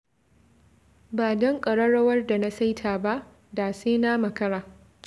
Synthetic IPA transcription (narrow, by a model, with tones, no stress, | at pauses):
baː˨dɔ˦ŋkʼɐ˨ɽɐ˦ɽɐ˦wɐ˦rda˨na˦sa˦jtʰaː˨ba˦ʔ | daː˨seː˦na˦mɐ˨kɐ˦ɽaː˨